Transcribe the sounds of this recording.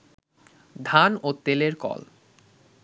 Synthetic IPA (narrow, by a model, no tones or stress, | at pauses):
d̪ʱanot̪eleɾkɔ̰l